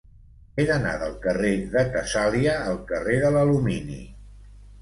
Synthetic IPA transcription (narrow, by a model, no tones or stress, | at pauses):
eðəna̰ðəlˠkəreðəkəsaliəːlˠkəreðələluminḭ